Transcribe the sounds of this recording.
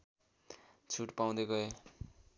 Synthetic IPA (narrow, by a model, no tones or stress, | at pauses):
t͡sʰuʈpaw̃d̪eɡʌe